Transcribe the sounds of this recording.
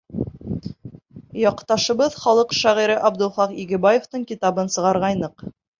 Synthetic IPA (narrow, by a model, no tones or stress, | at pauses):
jɑqt̪ɑʃɤ̆βɤðχɑlˠɤqʃæʁiɾɘʔɑbd̪ŭlˠχɑqiɡɘ̆bɑjoft̪ɤɴkit̪ɑbɤnsɤ̆ʁɑɾʁɑjnɤq